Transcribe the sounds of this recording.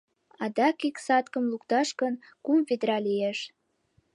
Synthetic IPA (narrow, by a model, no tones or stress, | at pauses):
ɑd̪ɑkiksɑt̪kəmlukt̪ɑʃkən | kumved̪ɾɑlieʃ